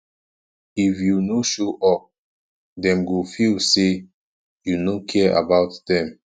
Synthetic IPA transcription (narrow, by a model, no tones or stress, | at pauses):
ifjunoʃoʔɔ | dɛ̃mɡofilse | junokʰɛa̰baʊtdɛ̃m